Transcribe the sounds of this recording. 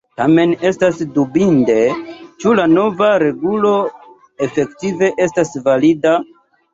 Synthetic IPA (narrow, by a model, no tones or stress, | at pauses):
tame̞ne̞stasdubinde̞t͡ʃulano̞vaɾe̞ɡulo̞ | e̞fe̞ktive̞ʔe̞stasvalida